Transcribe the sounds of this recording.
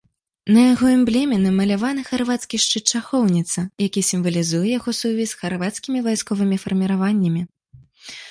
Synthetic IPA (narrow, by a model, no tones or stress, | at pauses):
nɐjaɣɔɛmblʲɛmʲɛnɨmɐlʲavanɨxarvat̪skʲiʂt͡ʂɨt͡ʂaxɔwnʲit̪sɐjakʲisʲimvɐlʲizujɛjaɣɔsuvʲisxarvat̪skʲimʲivajskɔvɨmʲifɐrmʲiɾavanʲːɐmʲi